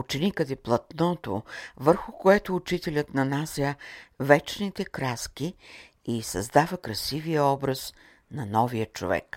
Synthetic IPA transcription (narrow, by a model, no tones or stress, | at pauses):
ut͡ʃɛnikəd̪ɛplˠɐt̪nɔt̪o̰vəɾxʊkoɛt̪oːt͡ʃit̪ɛlʲət̪nɐnasʲəvɛt͡ʃnit̪ɛkɾaski | isɐ̰zd̪avəkɾɐsivijəɔbɾəs | nɐnɔviət͡ʃo̰vɛ̰k